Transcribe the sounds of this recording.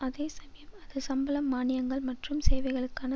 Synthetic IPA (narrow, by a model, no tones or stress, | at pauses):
ɐðeːsɐmɐjɐmɐðɯsɐmbɐlɐmːaːnɪjɐŋɡɐɭmɐʈrɯmseːʋɐɪɣɐɭɯkːaːnɐ